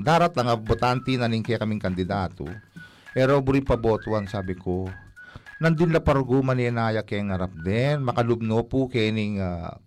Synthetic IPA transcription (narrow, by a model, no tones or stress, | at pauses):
d̪aːɾɐt̪lɐŋabot̪ant̪ɪnɐnɪŋkɛkɐmɪŋkɐnd̪ɪd̪aːt̪o̰ | pɛɾobʊɾɪŋpɐboːt̪ʊʔansaːbɪko | nɐnd̪ɪnlɐpɐɾʊɡumɐnɛnaːjɐkɛŋhɐɾap̚d̪ɛnmɐkɐlʊb̚nopʊkɛnɪŋa